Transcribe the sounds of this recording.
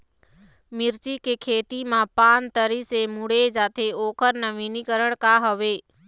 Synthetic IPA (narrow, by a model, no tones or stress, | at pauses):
miɾt͡ʃikekʰet̪imãpant̪əɾisemuɽed͡ʒat̪ʰeokʰəɾnəʋinikəɾəɳ̃kaɦəʋe